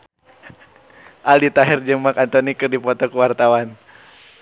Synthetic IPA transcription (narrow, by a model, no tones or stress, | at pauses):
ʔalit̪aɦɛrd͡ʒəmakant̪ɔnikərdipɔt̪ɔkəwart̪awan